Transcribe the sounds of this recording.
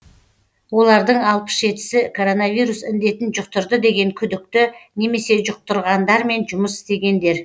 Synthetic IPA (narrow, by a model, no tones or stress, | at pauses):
wo̞lˠɑɾd̪əɴɑlˠpə̥ʃe̞t̪ɪ̥sɪkʰo̞ɾo̞navijɾusɪnd̪e̞t̪ɪnʒʊq̚t̪ʊɾd̪əd̪e̞ɡʲe̞ŋkʲʰʏd̪ɪk̚t̪ɪne̞me̞se̞ʒʊq̚t̪ʊɾʁɑnd̪ɑɾme̞nʒʊməsɪ̥st̪e̞ɡʲe̞nd̪e̞ɾ